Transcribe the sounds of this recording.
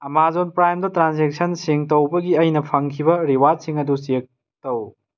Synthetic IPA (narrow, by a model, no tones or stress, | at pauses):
ɐmazonpɾajmdɐtɾansek̚sʰɐnsiŋtɐwbɐɡiɐjnɐpʰɐŋkʰibɐɾiwadsiŋɐdusek̚ | tɐw